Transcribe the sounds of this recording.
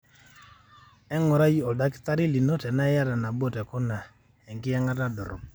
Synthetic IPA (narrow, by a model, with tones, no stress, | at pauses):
ɛ˦ŋɔ˨ɾa˦ji˦ɔ˨da˦kɪ̥˦ta˦ɾi˦li˨nɔ˦tɛ˨na˦ɛ˦ja˦da˨na˨bɔ˦˨tɛ˨kɔ˦na˨ | ɛ˨ŋkɪ˦ɛ˦ŋa˦ta˦dɔ˨ɾɔ̰˨